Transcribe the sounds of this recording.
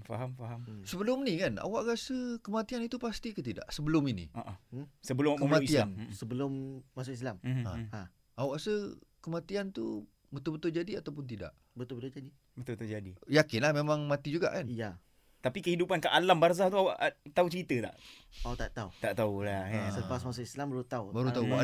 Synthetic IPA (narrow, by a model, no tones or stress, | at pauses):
faɦamfaɦamsəbəlʊmnikana̰waʔɾasəkəmat̪ianit̪upast̪ikət̪̬ida̰ʔsəbəlʊminḭoʔasəbəlʊmkmaiiaansəbəlʊmːas̬ʊkis̬lama̰ã | awaʔsəkəmat̪iant̪ṵ | bət̪ʊlbət̪ʊld͡ʒadiat̪awp̬ʊnt̪̬ida̰ʔ | bət̪ʊlbət̪ʊld͡ʒadi | bət̪ʊlbət̪ʊd͡ʒadijakɪnlahmemãŋmat̪id͡ʒuɡa̰ʔkanja | t̪apikəhidupankaʔalambars̬aht̪uawaʔt̪aut͡ʃəɾit̪ət̪a̰ʔat̪aʔt̪aut̪aʔt̪aulaasələpasmasʊʔislambaɾut̪aubaɾut̪aua